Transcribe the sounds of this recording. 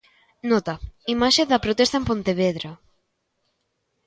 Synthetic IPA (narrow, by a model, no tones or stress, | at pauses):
nɔt̪ɐimaʃeðɐpɾot̪est̪aempont̪eβeðɾa